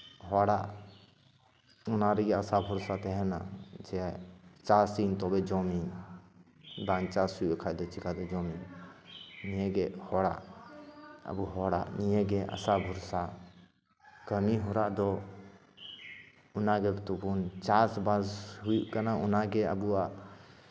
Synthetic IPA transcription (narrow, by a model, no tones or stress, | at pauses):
ɦɔɽaʔ | unaɾɛɡɛasabʱɔɾsat̪ɛɦɛna̰d͡ʒɛt͡ʃasint̪ɔbɛd͡ʒɔmi | b̪ant͡ʃasujʔɛkʰajd̪ɔt͡ʃikad̪ɛd͡ʒɔmi | nijɛɡɛhɔɽa̰ʔ | ə̰buɦɔɽa̰ʔnijɛɡɛʔa̰sabʱɔɾsa | kəmiɦɔɾaʔd̪ɔ | ʊnaɡɛt̪ubunt͡ʃasbazɦujuʔkanaunaɡɛə̰buaʔ